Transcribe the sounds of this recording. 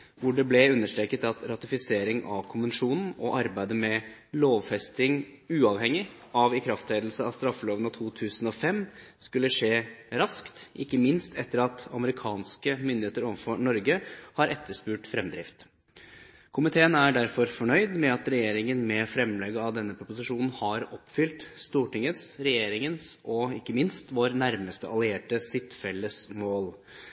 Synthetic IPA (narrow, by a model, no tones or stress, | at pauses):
ʋʊɖɛblɛʉnːəʂʈɾeːkːət̪ɑt̪ɾɑt̪ɪfɪseːɾɪŋɑ̰ʋkʰʊnʋənʂuːnn̩ɔʔɑɾbæɪd̪əmɛ | loːʋfɛst̪ɪŋʉːɑʋhɛŋːɪ | ɑʋɪkʰɾɑft̪ʰeːd̪l̩səɑst̪ɾɑfːəloːʋənɑt̪ʰuːt̪ʰʉːsənɔːfɛmskʉlːəʂeːɾɑskt̪ʔɪkːəmɪnst̪ɛt̪ːəɾɑt̪ɑ̰məɾɪkʰɑːnskəmʏnd̪ɪheːt̪əɾɔʋfɔɳɔɾɡəhɑɾʔɛt̪ːəʂpʉːʈfɾɛmd̪ɾɪ̰ft̪ | kʰʊmɪt̪ʰeːənæɖæɾfɔɾfɔɳœʏd̪mɛɑt̪ɾɛjeːɾɪŋənmɛfɾɛmlɛɡəɑʋd̪ɛnːəpʰɾʊpʊsɪʂuːnn̩hɑɾɔpfʏlt̪st̪uːʈɪŋːət̪sɾɛjeːɾɪŋənsɔɪkːəmɪnst̪ʋoːɾnæɾməst̪əɑlɪeːʈəsɪt̪ːfɛlːəsmoːl